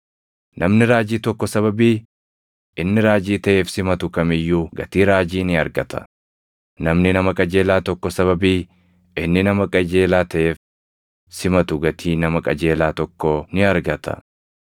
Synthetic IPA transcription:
nʔɐmnɪɾaːd͡ʒiːt̪ɔkːɔsɐβɐbiː | ʔɪnːɪɾaːd͡ʒiːt̪ɐʔe̞ːfsɪmɐt̪ʊkɐmɪjːuːɡɐt̪iːɾaːd͡ʒiːnɪɐɾɡɐt̪ɐ̥̰ | nɐmnɪnɐmɐkʼɐd͡ʒe̞ːlaːt̪ɔkːɔsɐβɐbiː | ɪnːɪnɐmɐkʼɐd͡ʒe̞ːlaːt̪ɐʔeːf | sɪmɐt̪ʊɡɐt̪ʰiːnɐmɐkʼɐd͡ʒeːlaːt̪ɔkːɔnɪɐɾɡɐt̪ʰɐ̰

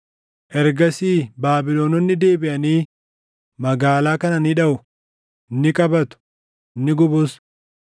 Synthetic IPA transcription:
ʔɛɾɡɐsiːbaːbɪloːnɔnːɪd̪e̞ːbɪʔɐniː | mɐɡaːlaːkɐnɐniːᶑɐʔʊ | nːɪkʼɐbɐt̪ʊ̥ | nːɪɡʊbʊs

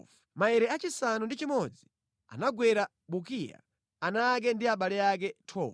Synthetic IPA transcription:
maɛɾɛat͡ʃisanundit͡ʃimɔd͡zi | a̰naɡwɛɾa | ɓuk̬ia̰ | anak̬ɛndiaɓalɛak̬ɛtʰɔː

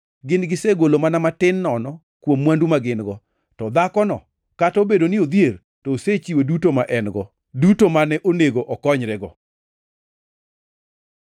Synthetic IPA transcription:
ɡɪnɡɪseɡolomanamatɪnːɔnɔ | kwomːwandumaɡɪnɡɔ | tɔd̪akɔnɔ̰ | katɔbedonɪod̪jer | toːset͡ʃiwedutomaʔɛnɡɔ | dutomanɛʔoneɡoʔɔkɔɲɾɛɡɔ

